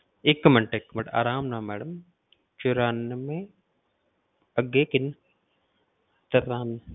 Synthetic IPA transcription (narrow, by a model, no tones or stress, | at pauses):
ikːmɐɳʈekːmɐɳʈa̰ːɾaːmnaːmɛːɽɐm | t͡ʃuɾaːnmẽ | ɐɡeːkin | t̪ɐt̪aːn